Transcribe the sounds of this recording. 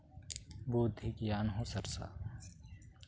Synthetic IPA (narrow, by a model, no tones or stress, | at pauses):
buːd̪ʱiɡijaːnɦõsɐɾsa̰ː